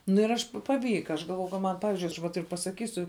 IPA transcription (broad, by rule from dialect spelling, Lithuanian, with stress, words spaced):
nʊ ɪr ˈɐʃ pɐˈʋʲiːkɐ ɐʃ ɡɐlˠˈʋoːjɛʊ kɐ ˈmɐn ˈpɑːʋʲɪzʲd͡ʒʲʊɪ ɐʃ ʋɐ ˈtɐɪp pɐsɐˈkʲiːsʲʊ